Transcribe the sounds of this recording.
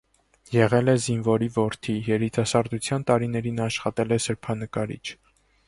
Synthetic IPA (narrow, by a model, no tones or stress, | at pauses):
jɛʁɛlɛzinvɔɾivɔɾt̪ʰijɛɾit̪ɑsɑɾd̪ut͡sʰjɑnt̪ɑɾinɛɾinɑʃχɑt̪ɛlɛsəɾpʰɑnəkɑɾḭt͡ʃʰ